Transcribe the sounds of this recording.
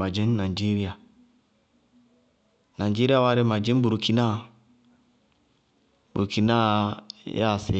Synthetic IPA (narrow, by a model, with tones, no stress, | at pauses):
a˨d͡ʒi˦n˦na˨d͡ʒi˦ɾi˦a˨ | na˨d͡ʒi˦ɾi˦a˦wa˦ɾe˦ma˨d͡ʒĩ˦n˦bu˨ɾu˨ki˨na˦˨ | bu˨ɾki˨na˦ja̰˦˨se˨